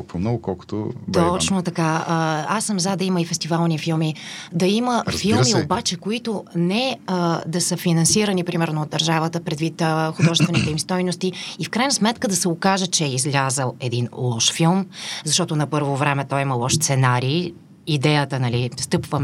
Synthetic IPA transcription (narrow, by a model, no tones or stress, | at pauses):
pomnɔɡkɔlˠko̥t̪o̰t̪ɔt͡ʃnot̪ɐkaəasːəmzad̪ɐiməifɛst̪ivalˠnifilˠmid̪ɐiməfilˠmiobat͡ʃɛkoit̪onɛəd̪ɐsəfinɐnsiɾənipɾimɛɾnoːd̪ɐɾʒavət̪əpɾɛd̪vit̪əxʊd̪ɔʒɛst̪vɛnit̪ɛimst̪ɔjnost̪iifkɾajnɐsmɛt̪kəd̪ɐsɛokaʒət͡ʃɛɛizlʲazəlˠɛd̪inlˠɔʃfilˠmzɐʃt̪ɔt̪ʊnɐpɤɾvovɾɛmɛt̪ɔjiməlˠɔʃst̪sɛnaɾiː | id̪ɛjət̪ənɐlist̪ɤpvəm